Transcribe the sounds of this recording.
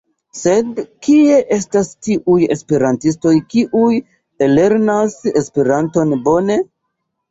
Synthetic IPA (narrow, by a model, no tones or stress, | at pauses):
se̞dkie̞ʔe̞stastiʔuje̞̰spe̞ɾantis̬to̞jkiʔuj | ele̞ɾnase̞speɾanto̞nbo̞ne̞